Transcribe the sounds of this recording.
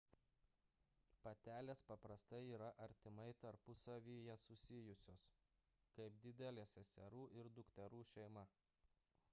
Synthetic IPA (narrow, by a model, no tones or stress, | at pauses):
pɐt̪ʲæːlʲeːspɐpɾɐst̪ɐɪiːɾɐʔɐɾʲt̪ʲɪmɐɪt̪ɐɾpʊsɐʋʲiːjɛsʊsʲɪjʊsʲoːs | kɐɪpd̪ʲɪd̪ʲɛlʲeːsʲɛsʲɛɾuːʔɪɾd̪ʊkt̪ʲɛɾuːʃʲɛɪmɐ